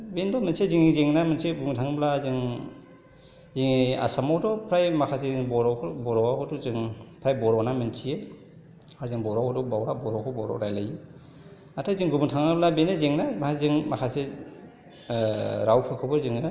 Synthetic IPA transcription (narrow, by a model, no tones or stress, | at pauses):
bendɔmɯnseziŋizeŋnamɯnseɡubŋtʰaŋblazɯŋ | ziŋia̰samɔtɔpʰɾajmakʰazebɔɾɔkʰbɔɾɔwakʰɔtɔzɯŋpʰɾajbɔɾɔnamɯnsʰie | aɾzɯŋbɔɾɔkʰɔtɔbawɾabɔɾɔkʰɯbɔɾɔ̰ɾajlaju | atʰajzɯŋɡubuŋtʰaŋɯblabenezeŋnamzɯŋmakʰase | ɾawpʰɯkʰɔbɯɾzɯŋɯ